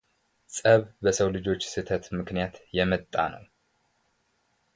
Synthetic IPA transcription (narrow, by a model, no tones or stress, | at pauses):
sʼəβbəsəwlɨd͡ʒo̞t͡ʃːsɨt̪ʰət̪mɨknijat̪jɛmət̪ʼːa̰nə̰w